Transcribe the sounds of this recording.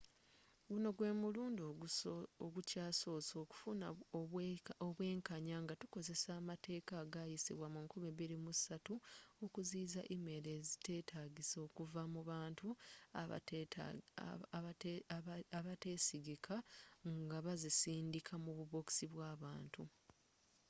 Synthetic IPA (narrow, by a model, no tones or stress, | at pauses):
ɡuno̞ɡwe̞ːmuluːndo | oɡucaːso̞ːso̞ku̥funa | oβwe̞ːŋkaɲaŋɡatu̥ko̞ze̞saːmate̞ːkaɡajisḭβwamuŋkumiβiɾimusatuokuziːzaʔimeɾe̞zite̞ːtʰaɡiso̞ːkuvamuβaːntu | aβate̞ːsiɡikʰaŋɡaβazisiːndikʰamuβuβo̞ksiβwaːβaːntu